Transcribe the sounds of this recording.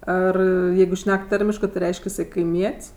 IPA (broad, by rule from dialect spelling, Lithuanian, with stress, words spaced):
ˈɐr ˈjɛɪɡʊ ˈʃʲnʲɛk ˈtɑːrʲɪmʲɪʃkɜ tʲɪ ˈrʲɛɪʃʲkʲ ɪˈsɐɪ kɐɪˈmʲiɛtʲsʲ